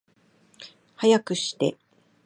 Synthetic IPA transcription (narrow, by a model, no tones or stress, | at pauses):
hajakɯ̟ɕi̥t̪e̞̰